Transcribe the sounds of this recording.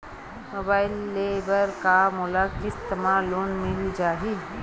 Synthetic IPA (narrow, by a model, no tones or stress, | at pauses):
moːbaːɪlːebəɾkamʊlakist̪emaːlːoːnmɪld͡ʒaːɦi